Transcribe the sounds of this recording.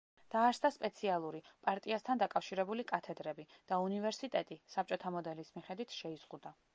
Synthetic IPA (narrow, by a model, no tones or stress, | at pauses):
d̪̥aːɾsd̪aspʼɛt̪sʰialˠuɾipʼaɾt̪ʼiast̪ʰand̪akʼafʃiɾɛbulikʼat̪ʰɛd̪ɾɛbid̪̥aunivɛɾsit̪ʼɛt̪ʼisap̚t͡ʃʼɔt̪ʰamɔd̪ɛlismiχɛd̪wit̪ʰʃɛiz̥ʁud̪a